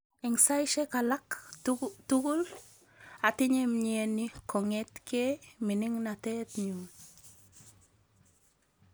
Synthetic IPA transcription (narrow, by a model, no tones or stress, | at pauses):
iŋsajʃekalak | tuɡul | atiɲemɲenikʰɔŋetkeminiŋnatetɲuːn